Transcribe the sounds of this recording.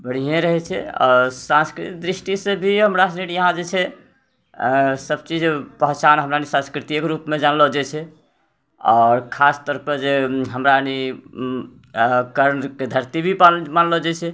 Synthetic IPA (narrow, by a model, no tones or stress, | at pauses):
bəɽ̤iɦẽɾəɦɛt͡ʃʰɛ̰ɔ̰ːɾsãnskɾit̪id̪ɾisʈisẽbʱiɦəmɾasniʈjəɦãd͡ʒet͡ʃʰɛ | səb̚t͡ʃid͡ʒpəɦt͡ʃanɦəmɾanisãskɾit̪ikɾupmed͡ʒanlɔd͡ʒɛt͡ʃʰɛ | ɔɾkʰast̪ɔːɾpəɾd͡ʒeɦəmɾani | kəɾnked̪ʱəɾt̪ibʱipmanlɔd͡ʒɛt͡ʃʰɛ